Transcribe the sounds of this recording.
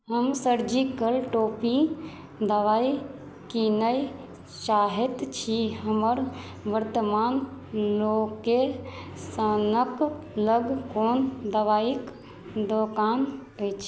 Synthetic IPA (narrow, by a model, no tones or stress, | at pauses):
ɦəmsəɾd͡ʒikəlʈopi | d̪əʋai | kinəi | ʃaɦet̪t͡ʃʰiɦəməɾ | ʋəɾt̪əmanlokːesənəkləɡkond̪əʋaik | d̪okanəjt͡ʃʰ